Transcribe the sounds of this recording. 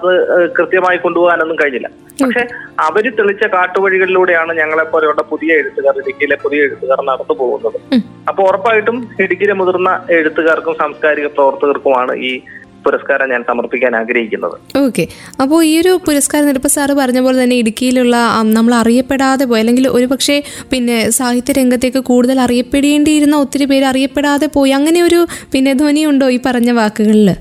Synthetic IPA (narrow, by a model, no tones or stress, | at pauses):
ɐðɨkrɨt̪jɐmaːjiko̞ɳɖupoːɣaːne̞nːumkɐɻiɲːilːɐ̰ | pɐkʂe̞ɐʋɐɾut̪iɭit͡ɕːɐkaːʈːuʋɐɻiɣɐɭiluːɽe̞jaːɳɨɲɐŋːɐɭepːoːɾɐjuɭːɐpuðijɐeɻut̪ːuɣaːrilikʲːɐjilepuðijɐeɽut̪ːuɣaːrnɐɽɐnːupo̞ːɣṵnːɐðɨ | ɐpːoːɭurɐpːaːjiʈːumiɽukʲːiɾemuðurnːɐe̞ɻut̪ːuɣarkumsaːmskaːɾiɣɐprɐʋɐrt̪ɐɣɐrkumaːɳɨ̰ʔiː | puɾɐskaːɾɐmɲaːnsɐmɐrpikʲːaːnaːɡɾɐɦikʲːunːɐ̰ðɨ̰o̞ːkːe̞ | ɐpːo̞ːɭiːo̞ɾupuɾɐskaːɾɐnilpːɐsaːrɨpɐrɐɲːɐpo̞ːlet̪ɐnːe̞iɽukʲːijiluɭːɐnɐmːɐɭɐrijɐpːe̞ɽaːðe̞p̬o̞ːjɐlːe̞ŋɡilo̞ɾupɐkʂe̞pinːe̞saːhjit̪ːjɐɾe̞ŋɡɐt̪̬ːeːkːɨkuːɽuðɐlɐrijɐpːe̞ɽjeːɳɖijiɾunːɐo̞t̪ːiɾupe̞ːɾɐrijɐpːe̞ɽaːðe̞po̞ːjɐŋːɐne̞o̞ɾupinːe̞d̪ʱonijuɳɖo̞ːiːpɐrɐɲːɐʋaːkːuɣɐɭil